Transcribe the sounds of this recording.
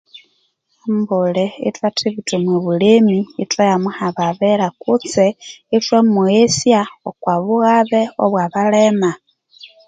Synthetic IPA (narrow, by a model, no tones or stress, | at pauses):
ambuleḭtwatʰiβitomweβulemiːtwajamuhaβaβeɾakut͡seitwemuesjaokwaβuɣaβeoβwaβalema